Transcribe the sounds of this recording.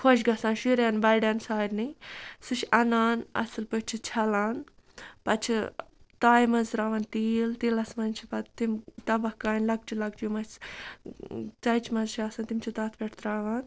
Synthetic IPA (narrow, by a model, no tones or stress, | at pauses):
kʰoʃ̬ɡɐsaːnʃuɾjaːnbɐɖaːnsaːɾnisɨt͡ʃɐnaːnɐ̰sɨlpɨt͡ʃʰit͡ʃʰɐlaːn | pɐt͡ʃʰit̪aːjmɐnzɾaːʋant̪iːlt̪ilɐsmɐnt͡ʃʰipɐt̪imt̪ɐbɐhkaːnʲlɐɡ̚t͡ʃʰilɐɡt͡ʃjumɐs | t͡sɐjt͡ʃʰmɐzt͡ʃʰiaːsaːnt̪imt͡ʃʰit̪aːt̪ʰpʲɛʈʰt̪ɾaːʋaːn